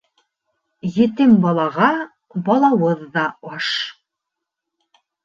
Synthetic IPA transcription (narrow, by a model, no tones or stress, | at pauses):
jɘ̆t̪ɘmbɑlˠɑʁɑ | bɑlˠɑwɤðːɑɑʃ